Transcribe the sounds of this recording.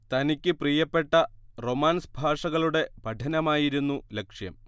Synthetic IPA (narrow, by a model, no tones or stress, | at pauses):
t̪ɐnikʲːɨpriːjɐpːe̞ʈːɐro̞maːnsbʱaːʂɐɣɐɭuɽe̞bʱɐɖʰʱɐnɐmaːjiɾunːulekʂjɐ̰m